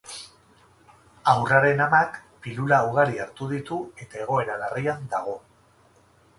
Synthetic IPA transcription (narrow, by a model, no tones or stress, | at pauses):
awraɾe̞namakpilulauɣ̞aɾiaɾt̪uðit̪ue̞t̪ae̞ɣ̞o̞e̞ɾalariand̪aɣ̞o̞